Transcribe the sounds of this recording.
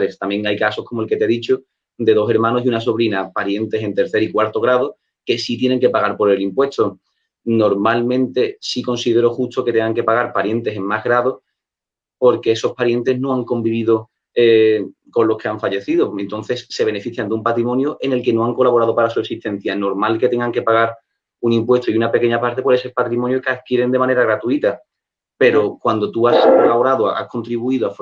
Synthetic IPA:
lest̪amje̞ŋajkaso̞hko̞molke̞t̪eðit͡ʃo | d̪e̞ðo̞se̞ɾmãno̞siunaso̞β̞ɾinapaɾje̞nt̪e̞se̞nt̪e̞ɾθe̞ɾikwaɾt̪o̞ɣɾað̞o | ke̞sit̪je̞ne̞ŋke̞paɣaɾpoɾe̞limpwe̞st̪o̞ | no̞ɾmalmẽnt̪e̞siko̞nsiðe̞ɾo̞xust̪o̞ket̪eŋɡaŋke̞paɣaɾpaɾje̞nt̪e̞se̞ŋmazɦɣɾaðo | po̞ɾke̞eso̞hpaɾje̞nt̪e̞ɦno̞aŋko̞mbiβ̞iðo | e | ko̞nlo̞hkʰe̞aɱfaʎeθiðoent̪õ̞n̟θe̞sːe̞β̞e̞ne̞fiθjand̪umpat̪ɾimõ̞njuʔe̞ne̞lke̞no̞aŋko̞laβo̞ɾað̞o̞paɾasuesiht̪e̞n̟θjano̞ɾmalket̪e̞ŋɡaŋke̞paɣaɾ | uŋimpwe̞st̪oiunape̞ke̞ɲapaɾt̪e̞pweðesepat̪ɾimonjokeaðkjeɾe̞nd̪e̞mãne̞ɾaɣɾat̪uit̪a | pe̞ɾo̞kwand̪o̞t̪uasolaβo̞ɾaðoa̰hkʰo̞nt̪ɾiβuiðoaf

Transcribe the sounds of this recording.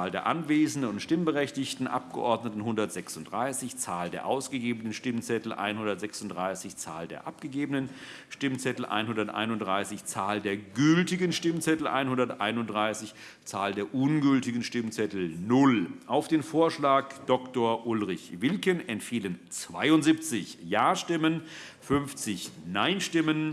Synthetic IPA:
ldeːɐʔa̰nveːzn̩dənʊntʃtɪmbəʁɛçtɪçtn̩ʔa̰p̚ɡ̥əʔɔɐdnətn̩ɦʊndɐtz̥ɛksʊntd̥ʁaɪsɪçt͡saːldeːɐʔaʊsɡ̥əɡeːbənənʃtɪmt͡sɛtl̩ʔa̰ɪnhʊndɐtz̥ɛksʊntd̥ʁaɪsɪçt͡sa̰ːldeːɐʔap̚ɡ̥əɡeːbənən | ʃtɪmt͡sɛtl̩ʔa̰ɪnhʊndɐtʔa̰ɪnʊndʁaɪsɪçt͡saːldeːɐɡʏltɪɡənʃtɪmnt͡sɛtl̩ʔa̰ɪnhʊndɐtʔa̰ɪnʊndʁaɪsɪç | t͡saːldeːɐʔʊnɡʏltɪɡən̩ʃtɪmnt͡sɛtl̩nʊlʔaʊfd̥eːnfoːɐʃlaːkd̥ɔktoːɐʔʊlʁɪçvɪlkənʔɛntfiːlənt͡sv̥a̰ɪʊntz̥ip̚t͡sɪçjaːʃtɪmən | fʏnft͡sɪçnaɪnʃtɪmən

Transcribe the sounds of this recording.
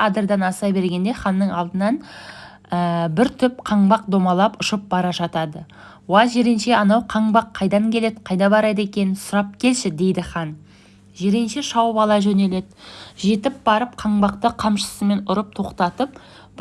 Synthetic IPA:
ɑd̪əɾd̪ɑnɑsɑjbe̞ɾɡʲe̞nd̪e̞χɑnːəɴɑlˠd̪ənɑn | əbɪɾt̪ʰʏpqʰɑɴbɑq̚d̪o̞mɑlˠɑpʊʃəp̚bɑɾɑʒɑt̪ɑd̪ə | woɑʒe̞ɾenʃe̞ɑnɑwqʰɑɴbɑqʰːɑjd̪ɑŋkʲʰe̞le̞d̪qʰɑjd̪ɑbɑɾɑjd̪e̞kʲe̞nɪsʊɾɑp̚kʲʰe̞lʃɪd̪e̞jd̪ɪχɑn | ʒe̞ɾenʃeʃɑwəpɑlˠɑʒɵne̞le̞d̪ɪʒe̞t̪ɪp̚b̥ɑɾəp̚qʰɑɴbɑqt̪əqʰɑmʃə̥səme̞nʊɾəp̚t̪ʰo̞qt̪ɑt̪əp̚

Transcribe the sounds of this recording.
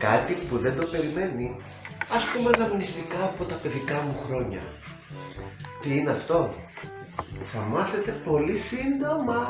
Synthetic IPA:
kɐt̪ipuðe̞nd̪o̞pe̞ɾime̞ni | ɐspumelɐmnist̪ikɐːpo̞t̪ɐpe̞ðikɐmuxɾo̞ɲɐ̰ | t̪iineɐft̪o̞ | θɐmɐθe̞t̪e̞po̞lisind̪o̞mɐ

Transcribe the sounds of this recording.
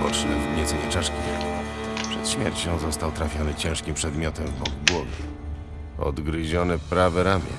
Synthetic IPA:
ɔt͡ʂnɛvɡɲɛt̪sɛɲɛt͡ʂaʂkʲia̰ | pʂɛt̪ɕmʲjɛɾt͡ɕɔ̃w̃zɔst̪awt̪ɾafʲjɔnɘt͡ɕɛ̃ʂkʲimpʂɛd̪mʲjɔt̪ɛmvbɔɡɡwɔɡʲɛ̰ | ɔ̰d̪ɡɾɘʑɔnɛpɾavɛɾamʲjɛ̰

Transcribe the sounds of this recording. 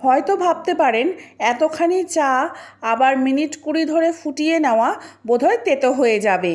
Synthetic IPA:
hɔjt̪obʱab̚t̪epaɾenɛt̪okʰanit͡ɕaabaɾminiʈkuɾid̪ʱoɾefuʈijenɛoabod̪ʱɔet̪et̪oɦoed͡ʑabe

